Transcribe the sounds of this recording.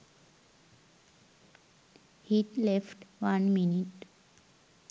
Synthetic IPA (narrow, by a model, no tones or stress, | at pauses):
hiʈlefʈʋãnminiʈ